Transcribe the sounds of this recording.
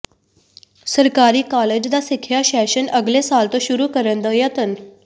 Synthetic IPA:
səɾkaɾiːkaled͡ʑd̪asikʰːjaɕɛɕənəɡlesalt̪oɕuɾukəɾənd̪əjət̪ən

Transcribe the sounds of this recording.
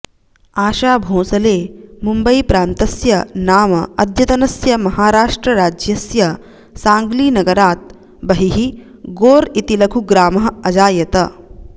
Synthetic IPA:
aːʃaːbʱõːsɐleːmumbɐipɾaːnt̪ɐsjɐnaːmɐɐd̪ʱjɐt̪ɐnɐsjɐmɐɦaːɾaːʂʈɾɐɾaːd͡ʒjɐsjɐ | saːŋɡliːnɐɡɐɾaːt̪̚ | bɐɦiɦi | ɡoːɾit̪ilɐkʰuɡɾaːmɐɦɐɐd͡ʒaːjɐt̪ɐ

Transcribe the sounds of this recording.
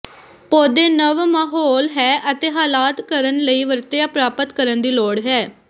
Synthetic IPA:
poːd̪eːnəʋmaːɦɔːlɦɛːʔət̪eːɦaːlaːt̪kəɾənləiːʋəɾt̪ejaːpɾaːpət̪kəɾənd̪iːloːɽɦɛː

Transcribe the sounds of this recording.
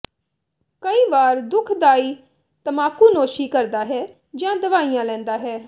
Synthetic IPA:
kəiːʋaːɾd̪ʊkʰd̪aːiː | t̪əmaːkuːnoːʃiːkəɾd̪aːɦɛː | d͡ʒãːd̪əʋaːijãːlɛ̃ːnd̪aːɦɛː

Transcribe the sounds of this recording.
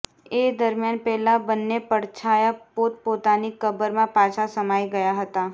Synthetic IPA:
eːd̪əɾmjaːnpɛɦlabənːepəɽt͡ʃʰaːjapoːt̪̚poːt̪anikəbəɾmãpaːt͡ʃʰasəmaːiɡɐjaɦət̪a

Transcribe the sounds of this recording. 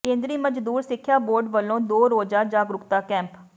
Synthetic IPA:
kẽːnd̪ɾiːməd͡ʒd̪uːɾsɪkʰːjaːboːɾɖʋəlːõːd̪oːɾoːd͡ʒaːd͡ʒaːɡɾʊkt̪aːkɛ̃ːmp

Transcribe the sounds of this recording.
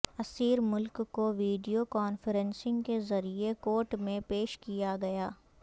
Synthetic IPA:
ɐsiːɾmʊlkːoʋiːɖijokɔːnfəɾɛ̃nsɪ̃ŋɡkezɐɾiekoːɾʈmẽpeːʃkijaɡɐjaː

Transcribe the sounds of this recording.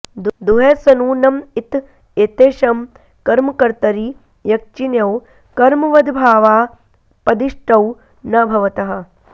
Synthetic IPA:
d̪d̪uɦesɐnuːnɐmit̪ | et̪eːʃɐm | kɐɾmɐkɐɾt̪ɐɾi | jɐk̚t͡ʃinjɐw | kɐɾmɐʋɐd̪ʱbʱaːʋaː | pɐd̪iʂʈɐw | nɐbʱɐʋɐt̪ɐɦɐ̆

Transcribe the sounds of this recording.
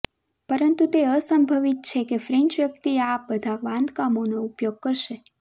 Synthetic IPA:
pəɾənt̪ũt̪eəsəmbʱəʋit̪̚t͡ʃʰekefɾɛ̃ɲt͡ʃʋjək̚t̪iabəd̪ʱakʋãnd̪kamonoupjoɡ̚kəɾʃe

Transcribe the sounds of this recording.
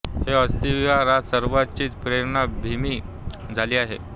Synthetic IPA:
heəst̪ijaɾasəɾʋat͡ɕiːt̪pɾeɾɳabʱimiː | d͡zʱaliːaɦḛ

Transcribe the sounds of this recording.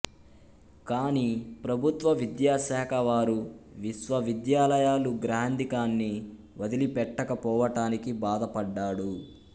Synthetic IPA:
kaːnipɾɐbʱut̪ʋɐʋid̪jaːʃaːkʰɐʋaːɾuʋiʃʋɐʋid̪jaːlɐjaːluɡɾaːnd̪ikaːnːi | ʋɐd̪ilipɛʈːɐkɐpɔːʋɐʈaːnikibaːd̪ɐpɐɖːaːɽu

